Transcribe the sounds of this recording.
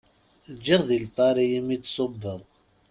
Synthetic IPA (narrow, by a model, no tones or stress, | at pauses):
d͡ʒiʁðilfɑɾˤijəmit͡sːsˤobːəðˤ